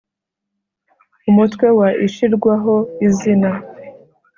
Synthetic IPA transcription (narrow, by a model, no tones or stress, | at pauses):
umutkwe̞waʔiʃiɾɡwaɦo̞izina